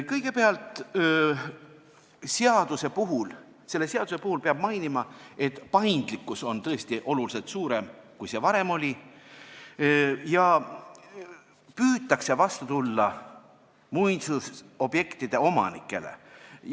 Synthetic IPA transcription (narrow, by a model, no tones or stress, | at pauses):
kɤjɡ̥e̞peɑlt̪ˑ | seɑd̪use̞puɦul | se̞lːe̞seɑd̪use̞puhulpeɑb̥mɑjnimɑe̞t̪pɑjnd̪̥likːˑuso̞nt̪ɤ̞est̪iʔo̞lulise̞lt̪suːɾe̞mkujse̞vɑɾe̞mo̞lʲi | jɑ | pyːt̪ːˑɑkse̞vɑst̪ut̪ulːɑ | mujnsuso̞bje̞kt̪id̪̥e̞o̞mɑ̰nḭkːˑe̞̰lḛ